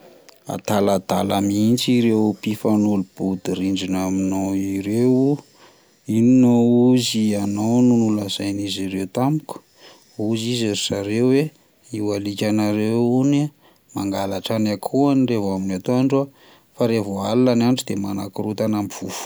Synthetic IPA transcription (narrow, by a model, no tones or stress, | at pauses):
a̰t̪alad̪a̰lamiint͡ʃiɾewpifanulub̥ud̪iɾiɳɖ͡ʐinaminowiɾewu | ininouzianownunulazajniziɾewt̪amuku̥ | uzizaz̥aɾewwe | iwalikʲanaɾewuni | maŋɡalaʈ͡ʂanakʰuanirevaminat̪oaɳɖ͡ʐua | faɾevoalilananɖ͡ʐud̪emanakiɾut̪anamiv̥ufu̥